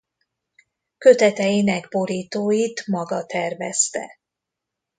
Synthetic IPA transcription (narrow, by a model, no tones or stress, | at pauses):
kø̞t̪ɛt̪ɛjinɛɡbo̞ɾiːt̪oːjit̪mɒɡɒt̪ɛrvɛst̪ɛ̰